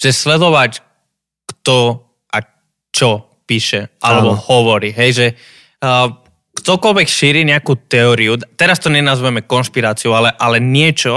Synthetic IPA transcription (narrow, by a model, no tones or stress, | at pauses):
ʒ̥ɛslɛd̪ɔʋac | kt̪ɔ | ʔa | t͡ʃɔ | piːʃɛʔalɛbɔhɔʋɔɾiɦɛjʒɛ | kt̪ɔkɔlʋɛkʃiːɾiɲɛakut̪ɛɔɾiut̪ɛɾast̪ɔɲɛnazʋɛmɛkɔnʃpiɾaːt͡siualɛʔalɛɲɪɛt͡ʃɔ